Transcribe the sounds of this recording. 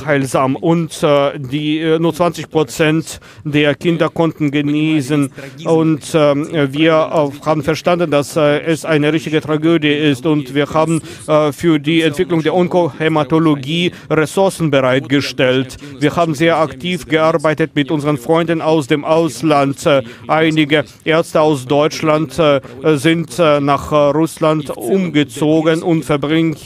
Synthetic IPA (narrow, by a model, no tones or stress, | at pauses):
haɪlzaːmʔʊntdiːnuːɐt͡sv̥ant͡sɪçpʁ̥ot͡sɛnt | d̥eːɐkʰɪndɐkʰɔntn̩ɡəniːsənʊntviːɐhaːbn̩fɛɐʃtandn̩dasɛsʔaɪnəʁɪçtɪɡətʁ̥aɡøːdjəɪstʊntv̥iːɐhaːbn̩ | fyːɐdiːɛntv̥ɪklʊŋdeːɐʊnkohematoloɡiː | ʁɛsʊɐsn̩bəʁaɪtɡ̥əʃtɛlt | viːɐhaːbn̩zeːɐaktʰiːfɡ̥əʔaɐbaɪtətmɪtʔʊnzəʁənfʁ̥ɔʏndn̩aʊsd̥eːmʔaʊslant | ʔaɪnɪɡə | ʔeːɐt͡stəaʊsd̥ɔʏt͡ʃlantzɪntnaχʁʊslantʔʊmɡət͡soːɡənʔʊntfɛɐbʁɪŋ